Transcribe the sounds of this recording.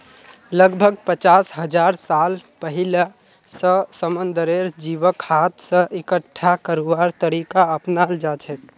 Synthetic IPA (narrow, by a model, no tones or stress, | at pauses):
ləɡbʱəɡ̚pət͡ʃasɦəd͡ʒaɾsalpəɦila | səsəmənd̪əɾeɾd͡ʒiʋəkhat̪sə̃ʔekəʈʰːakəɾuaɾt̪əɾikaəpnald͡ʒat͡ʃʰɛk